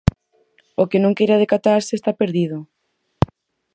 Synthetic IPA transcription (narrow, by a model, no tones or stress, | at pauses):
okenõŋkejɾaðekat̪aɾsɪest̪apeɾðiðʊ